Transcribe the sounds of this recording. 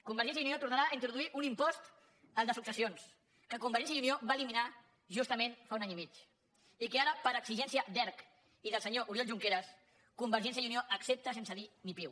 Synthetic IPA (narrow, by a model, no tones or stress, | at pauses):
kumbəɾʒɛnsjəuniot̪uɾnaɾaːint̪ɾuðuiʔunimpɔst̪ | əlˠd̪əsuksəsions | kəkumbəɾʒɛnsjəiunioβaəlimina | ʒust̪əmẽnfaunaɲimit͡ʃ | ikeaɾəpəɾəksiʒɛnsiəd̪ɛɾk | iðəlˠsəɲoʔuɾjɔlʒuŋkeɾəs | kumbəɾʒɛnsjəiunioʔəksep̚t̪əsensəðinipiw